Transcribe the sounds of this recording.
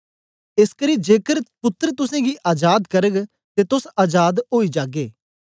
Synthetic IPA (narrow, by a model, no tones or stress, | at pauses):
ɪskəɾid͡ʒeːkəɾpʊt̪ːəɾt̪ʊsẽɡiʔaːd͡ʒaːd̪kɐɾəɡ | t̪et̪ʊsaːd͡ʒaːd̪ɦoːid͡ʒaːɡeː